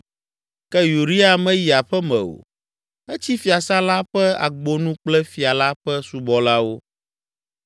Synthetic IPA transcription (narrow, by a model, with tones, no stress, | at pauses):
kɛ˦ju˨ɾi˦a˨mɛ̃˦ji˨a˨ɸɛ˦mɛ̰̃˨o̰˨ | ɛ˦t͡ɕi˦fi˨a˨sa˦la˦ɸɛ˦a̰˨ɡ͡bo˦nũ˦k͡plɛ˦fi˨a˨la˦ɸɛ˦su˨bɔ˦la˦wo˦